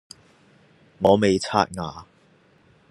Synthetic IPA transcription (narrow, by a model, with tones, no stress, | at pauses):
ŋɔː˨˧me˨jt͡sʰa̰ː˥t̚ŋaː˨